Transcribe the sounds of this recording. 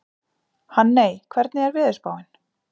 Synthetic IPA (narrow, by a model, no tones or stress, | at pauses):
hanːeːjkʰvɛɾt̪nɪɛɾvɪːðɪspaːwɪn